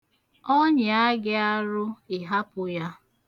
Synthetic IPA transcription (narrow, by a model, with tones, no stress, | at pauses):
o˦ɲɪ˨a˦ɡɪ˦a˦ɾʊ˦ɪ˨ɦa˦pʊ˨ja˦